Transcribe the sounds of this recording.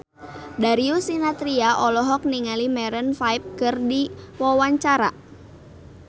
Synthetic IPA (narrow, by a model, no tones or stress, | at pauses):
daɾiusinat̪ɾiaʔɔlɔɦɔk̚niŋalimɛɾənfajp̚kɨrdiwɔwaɲt͡ʃaɾa